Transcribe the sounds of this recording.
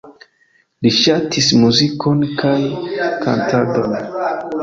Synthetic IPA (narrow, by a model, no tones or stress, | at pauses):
liʃatʰismuzikʰo̞nkʰajkʰa̰ntʰadon